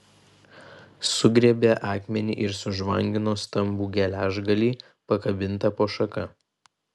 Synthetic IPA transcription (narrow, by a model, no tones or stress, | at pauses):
sʊɡɾʲɛːbʲeːʔɑːkmʲɛnʲḭʔɪɾsʊʒʋɐŋʲɡʲɪnoːst̪ɐmbuːɡʲɛlʲæːʒɡɐlʲiː | pɐkɐbʲɪnˑt̪ɐpoːʃɐkɐ